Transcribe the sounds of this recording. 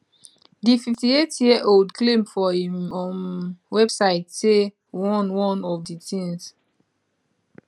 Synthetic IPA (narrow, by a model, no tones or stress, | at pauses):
dififtietjiʔoldklẽmfɔĩmɔ̃nwɛbsaɪtse | wɔ̃nwɔ̃nɔvditĩŋs